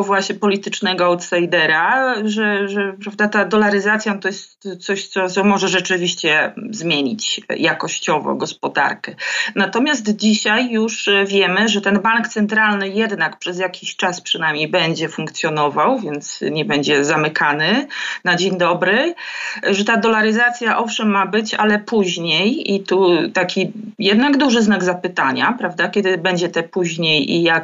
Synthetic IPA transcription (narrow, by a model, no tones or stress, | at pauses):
vwaɕɲɛpɔlʲit̪ɘt͡ʂnɛɡɔawt̪sajd̪ɛɾaʐɛʐɛpɾavd̪at̪ad̪ɔlaɾɘzat̪sʲjanɔt̪ɔjɛst̪sɔɕt̪sɔt̪sɔmɔʐɛʐɛt͡ʂɘvʲiɕt͡ɕɛzmʲjeɲit͡ɕjakɔɕt͡ɕɔvɔ̰ɡɔspɔd̪a̰ɾkɛnat̪ɔmʲjas̬t̪d͡ʑiɕajːuʂvʲjɛmɘʐɛt̪ɛnbaŋkt̪sɛnt̪ɾalnɘjɛd̪nakpʂɛzjakʲʰiɕt͡ʂaspʂɨnajmʲejbɛɲd͡ʑɛfuŋkt̪sʲjɔnɔvawvʲjɛnt̪sɲɛbɛɲd͡ʑɛzamɘkʰanɘnad͡ʑeɲd̪ɔbɾɘ | ʐɛt̪ad̪ɔlaɾɘzat̪sʲjaʔɔfʂɛmːabɘt͡ɕa̰lɛpuʑɲejit̪ut̪akʲijɛd̪naɡd̪uʐɘznaɡzapɘt̪aɲa̰pɾavd̪akʲɛd̪ɘbɛɲd͡ʑɛt̪ɛpuʑɲejḭja